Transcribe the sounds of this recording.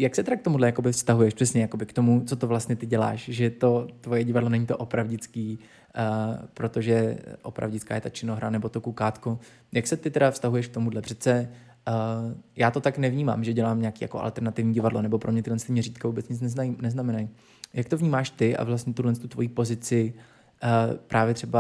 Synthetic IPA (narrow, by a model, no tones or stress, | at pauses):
jaksɛt̪ɛɾak̚t̪omudlɛjakobɪfst̪aɦujɛʃpr̥ɛsɲɛjako̞bɪkt̪o̞mut͡sot̪ovlast̪ɲɛt̪ɪɟɛla̰ːʃʒɛt̪ot̪vo̞jɛɟɪvadlo̞nɛɲiːt̪oʔopɾavɟɪt͡skiː | pɾo̞t̪o̞ʒɛʔopɾa̰vɟɪt͡ska̰ːjɛt̪at͡ʃɪnoɦɾanɛbo̞t̪okukaːt̪ko | jaksɛt̪ɪt̪ɛɾdafst̪aɦujɛʃk̚t̪o̞mudlɛpr̥ɛt͡sɛ | jaːt̪o̞t̪aknɛvɲiːma̰ːmʒɛɟɛlaːmɲɛakiːja̰koʔa̰lt̪ɛɾnat̪ɪvɲiːɟɪvadlonɛbo̞pɾomɲɛt̪ɪlɛnst̪ɪmɲɛɾiːt̪̚kavuːbɛt͡sɲɪt͡snɛznajnɛznamɛnaj | jak̚t̪ovɲiːmaːʃt̪ɪʔa̰vlast̪ɲɛt̪udlɛnst̪ut̪vo̞̰jiːpo̞zɪt͡sɪ | pɾʔaːvjɛt̪r̥ɛba